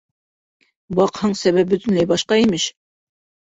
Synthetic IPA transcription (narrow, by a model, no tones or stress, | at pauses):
bɑqhɤɴsæβæp̚bɵ̆t̪ɵ̆nlæjbɑʃqɑimɘʃ